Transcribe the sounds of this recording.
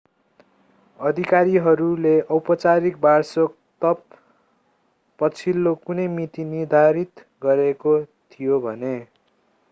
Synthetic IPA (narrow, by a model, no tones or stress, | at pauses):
ʌd̪ʱikaɾiɦʌɾuleʔʌwpʌt͡saɾik̚barsok | t̪ʌp | ʌt͡sʰilːokunʌjmit̪inird̪ʱaɾit̪ | ɡʌɾekot̪ʰijobʱʌne